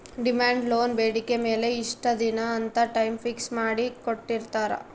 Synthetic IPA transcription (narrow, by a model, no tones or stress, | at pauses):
ɖimaːɳɖlo̞ːnbeːɽike̞me̞ːle̞iʂʈɐd̪inɐːnt̪ɐʈɐjmfiksmaːɽikoʈːiɾt̪aːɾɐ̰